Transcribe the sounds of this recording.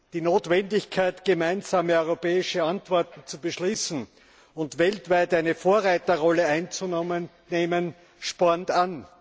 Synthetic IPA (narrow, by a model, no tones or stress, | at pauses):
d̥iːnoːtv̥ɛndɪçkʰaɪtɡ̥əmaɪnzaːməœʏʁopɛːɪʃəantv̥ɔɐtn̩t͡subəʃliːsn̩ | ʊntvɛltv̥æɪtæɪnəfoːɐʁaɪtɐʁɔləæɪnt͡sunmən | neːmən | ʃpɔɐntan